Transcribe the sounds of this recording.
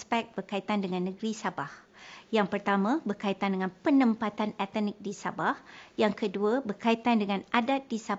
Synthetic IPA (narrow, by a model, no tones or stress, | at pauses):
spɛk̚b̥ərkait̪andəŋãnːəɡɾisabah | jaŋpərt̪amãbərkait̪andəŋãnpənə̃mpat̪anɛt̪nik̚disabahjaŋkəduabərkait̪andəŋãnʔadat̪̚disa